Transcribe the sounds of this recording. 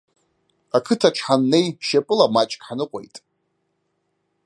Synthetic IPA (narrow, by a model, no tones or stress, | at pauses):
akʰɨtʰaʈ͡ʂʰħanːe̞jʃapʼɨlamat͡ʃʼkʼħanɨqʷʼojtʼ